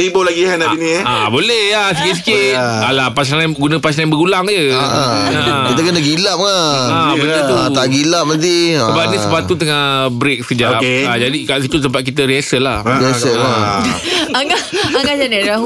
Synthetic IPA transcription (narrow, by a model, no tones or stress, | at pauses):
ibolaɡiɦanainiabolɛhas̬əkɪt̪̚sikɪt̪̚alapas̬najnɡunə̃pas̬najnbəɡulaŋd͡ʒəakit̪akənaɡilap̚ŋaabolet̪uat̪aɡilap̚nənt̪̬iəbapnĩsəpat̪ut̪̬əŋabɾek̚səkəd͡ʒaopead͡ʒadikaʔsit̪ut̪̬əmpat̪̚k̬it̪̬əɾiɛsəlahesəa | aŋaaŋɡad͡ʒanaɾaɦu